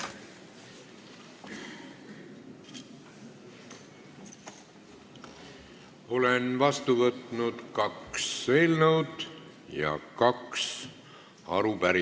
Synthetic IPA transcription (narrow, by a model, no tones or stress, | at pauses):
o̞lenvɑst̪uvɤt̪nud̪̥kɑkse̞ːlnɤwd̪̥ | jɑ̰kɑks | ɑ̰ɾupæɾi